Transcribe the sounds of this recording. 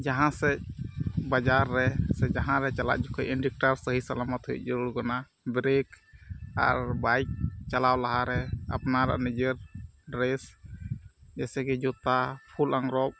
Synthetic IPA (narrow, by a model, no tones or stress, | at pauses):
d͡ʒaɦãsɛc̚bad͡ʒaɾːɛsɛd͡ʒaɦãɾɛt͡ʃala̰ʔ̚d͡ʒukʰəjinɖik̚ʈaɾsəɦisalamat̪hɦuj̚ˀd͡ʒəɾuɽɡɔna | bɾek | a̰ɾbajk̚t͡ʃalawlaɦaɾɛa̰pnaɾa̰ʔnid͡ʒəɾɖɾes | d͡ʒɛsɛɡɛd͡ʒɔt̪apʰulaŋɾɔp̚